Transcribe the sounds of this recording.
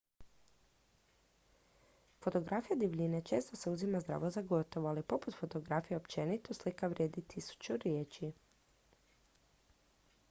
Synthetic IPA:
fo̞t̪o̞ɡɾʔafijad̪iʋʎʲinet͡ʃe̞ːst̪o̞se̞uzimazd̪ɾa̰ːʋo̞zaɡo̞t̪o̞ʋoalipo̞put̪fo̞t̪o̞ɡɾafijeopt͡ʃe̞nit̪uslikaʋɾʲjed̪it̪ʰisu̥t͡ʃuɾjeːt͡ɕi

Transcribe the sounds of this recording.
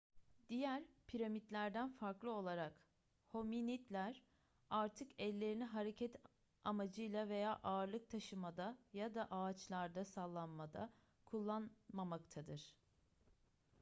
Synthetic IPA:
d̪ijæɾpʰiɾamit̪lʲæɾd̪ænfaɾklˠɯo̞lˠaɾak | ho̞minit̪lʲæɾ | aɾt̪ʰɯkɛlʲːe̞ɾiniɦaɾecʰɛt̪ʰ | ʔamad͡ʒɯjlˠave̞jaːʔaːɾlˠɯk̚t̪ʰaʃɯmad̪ajad̪aʔaːt͡ʃlˠaɾd̪asalˠːanmad̪a̰ | kʰulˠːanmamakt̪ʰad̪ɯɾ̥

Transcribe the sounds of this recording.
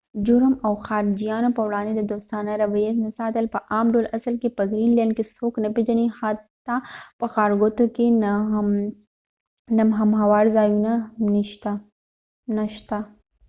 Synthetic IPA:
d͡ʒʊɾmɐwxaːɾd͡ʒijaːnopɐwɽãːnd̪ed̪ɐd̪oːst̪aːnaɾɐʋɐjesnɐsaːt̪ɐlpɐʔaːmɖoːlʔɐsəlkepɐɡɾiːnlejənkesoːknɐped͡ʒɐnihat̪ːapɐxaːɾɡot̪oken | nɐmɦɐmɦɐwaːɽzaːjunaniʃt̪a | nɐʃt̪a

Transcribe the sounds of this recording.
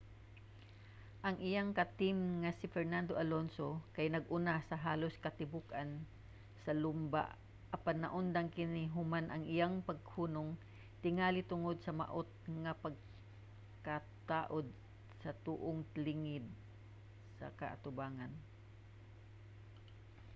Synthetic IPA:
ʔɐŋʔɪjaŋkat̪ɪmŋasɪfɛɹnand̪oʔalonsokajnɐɡʔʊnasɐɦaːloskɐt̪ɪbukan | sɐlumba̰ | ʔɐpanːɐʔʊnd̪aŋkɪniɦʊmanʔɐŋɪjaŋpɐɡ̚huːnoŋ | t̪ɪŋaːlit̪ʊŋod̪̚sɐma̰ʔot̪̚ŋɐpɐɡ̚ | ka | t̪aːʔod̪̚ | sɐt̪uːʔoŋlɪŋɪd̪̚ | sɐ̰kɐ̰ʔa̰t̪ʊbaːŋan

